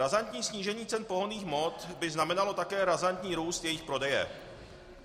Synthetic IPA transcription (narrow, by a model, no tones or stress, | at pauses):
ɾazant̪ɲiːsɲiːʒɛɲiːt͡sɛnpo̞ɦoniːxmo̞t̪bɪznamɛnalo̞t̪akɛːɾazant̪ɲiːɾuːst̪jɛjɪxpɾo̞dɛjɛ̰